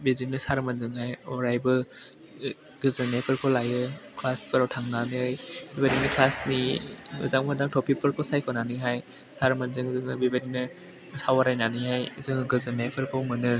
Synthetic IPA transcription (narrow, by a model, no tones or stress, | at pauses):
biɾinɯsaɾmanzɯŋhajɔɾajbɯ | ɡ̥ɯzɯnepʰɯɾkʰowlajɯkʰlaspʰɯɾawtʰaŋnanijbibadinikʰlasniɯzaŋmadaŋtʰɔpʰipʰɯɾkʰosajkʰɔnanɯɦaj | saɾmanzɯŋzɯŋɯbibadinɯ | sawaɾajnaniɦajzɯŋɡɯzɯnepʰɯɾkʰɯwmɯnɯ